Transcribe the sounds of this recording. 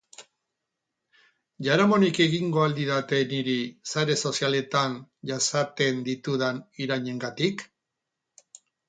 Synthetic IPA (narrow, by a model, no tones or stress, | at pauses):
ʝaɾamo̞nike̞ɣiŋɡo̞ald̪iðat̪e̞niɾisaɾe̞so̞siale̞t̪anʝasat̪e̞nd̪it̪uðaniɾaɲe̞ŋɡat̪ik